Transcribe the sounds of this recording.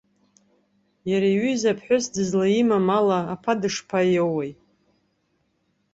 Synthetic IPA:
jaɾaɥyzapʰħʷᶣʊsdɨzlaimamalaːpʰadɨʂpʰajowejtʼ

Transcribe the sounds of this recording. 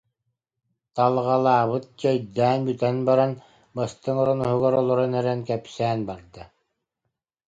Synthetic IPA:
t̪alˠʁɑlˠaːβɯt̪̚d͡ʑɛjd̪æːnbyt̪ɛnbaɾan | bast̪ɯŋɔɾɔnɔɦɯɡɔɾɔlˠɔɾɔnɛɾɛnkɛpsæːnbaɾd̪ɯ

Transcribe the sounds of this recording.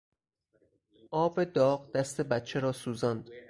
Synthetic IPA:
ʔɒːbed̪ɒːɢd̪æst̪ʰe̞bæt̪̚t͡ʃʰeɾɒːsuːzɒnd̪

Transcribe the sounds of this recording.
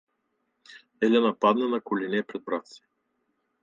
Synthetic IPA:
ɛlʲɛnɐpad̪nɛnɐkʊlinɛpɾɛd̪̚bɾat̪si̥

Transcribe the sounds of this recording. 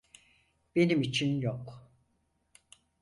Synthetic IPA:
b̥e̞nimit͡ʃʰinjok

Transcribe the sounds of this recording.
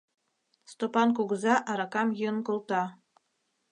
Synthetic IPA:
st̪opɑnkuɣəzɑʔɑɾɑkɑmjənkolˠt̪ɑ

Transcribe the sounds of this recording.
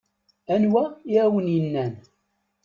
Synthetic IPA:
ænwæiɾæwənjənːæn

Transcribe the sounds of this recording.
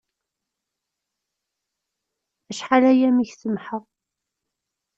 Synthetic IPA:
æʃħalæjæmiçθəmħəʁ

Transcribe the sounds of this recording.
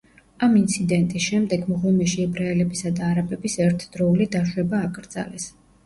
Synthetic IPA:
amint̪sʰid̪ɛnt̪ʼisʃɛmd̪ɛɡmɔʁɔmɛʃiɛbɾaɛlɛbisad̪aːɾabɛbisɛɾt̪ʰd̪̥ɾɔulid̪aʃwɛbaːkʼɾd̪za̰lɛs

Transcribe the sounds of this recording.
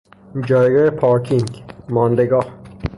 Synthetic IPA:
d͡ʒɒːjɡɒːjepʰɒːɾkʰiŋɡmɒːnd̪eɡɒːh

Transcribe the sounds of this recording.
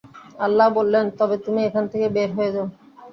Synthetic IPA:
alːabolːent̪ɔbet̪umiekʰant̪ʰekebeɾɦoed͡ʑa

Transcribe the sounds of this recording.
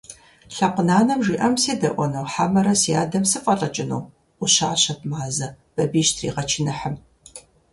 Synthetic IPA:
ɬapqʷʊnaːnɐmʒiːʔɐmseːdɐ̰ʔʷɔnɐwħamɐɾɐsija̰ːdɐmsɨfʼɐɬʼɐt͡ʃʼɪnow | ʔʷʊɕaːɕɐt̚ʰmaːzɐ | b̥ɐbiːʃtʰrḭːʁɐt͡ʃʰɪnɨħəm

